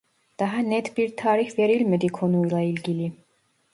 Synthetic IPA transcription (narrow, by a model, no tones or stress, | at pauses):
d̪̥aɦanɛt̪ʰbiɾt̪ʰaːɾixvɛɾilmɛd̪ikʰɔnujlˠɑilɡili